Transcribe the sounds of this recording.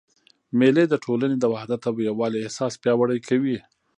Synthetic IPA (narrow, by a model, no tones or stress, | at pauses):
meled̪əʈʰolaned̪əwahd̪at̪awjawɑleɪhsɑspjɑwaɽəjkʰawi